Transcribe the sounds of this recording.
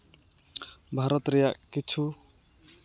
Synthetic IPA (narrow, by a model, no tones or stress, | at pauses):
bʱaɾɔt̪ɾɛjaʔkit͡ʃʰu